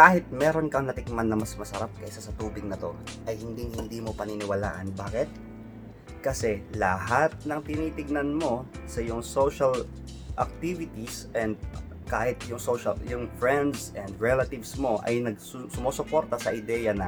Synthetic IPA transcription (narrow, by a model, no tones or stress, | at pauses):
kaːhɪt̪̚mɛːɾo̞nkɐŋnɐt̪ɪk̚manːɐmɐsmɐsɐɾap̚kɐʔsasɐt̪uːbɪɡ̚nɐt̪o̞̰ʔɐjhɪnd̪iŋhɪnd̪iːmo̞pɐnɪnɪwɐla̰ːʔɐnbaːkɪt̪̚ | kɐsɛlɐhat̪̚nɐŋt̪ɪniːt̪ɪɡ̚nɐnmo̞sɐjʊŋso̞ʃɐl | ʔɐ̰k̚t̪ivɪt̪isʔɛnd̪̚ | kaːhɪt̪jʊŋsoʃɐ̰ljʊŋfɹɛnd̪sɛnd̪ɹɛlɐt̪ɪvsmo̞ʔɐ̰jnɐɡ̚ssʊmoːsʊpo̞ɾt̪ɐsɐʔɪd̪ɛːjɐnɐ